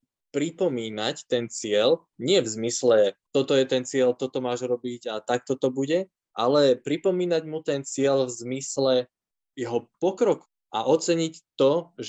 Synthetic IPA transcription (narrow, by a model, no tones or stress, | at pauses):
pɾipɔmiːnact̪ɛnt͡sɪɛl | ɲɪɛvzmislɛt̪ɔt̪ɔjɛt̪ɛnt͡sɪɛlt̪ɔt̪ɔmaːʒɾɔbiɟat̪ak̚t̪ɔt̪ɔbuɟɛ | ʔalɛpɾipɔmiːnaɟmut̪ɛnt͡sɪɛlvzmislɛ | jɛɦɔpɔkɾɔk | aʔɔt͡sɛɲict̪ɔʒ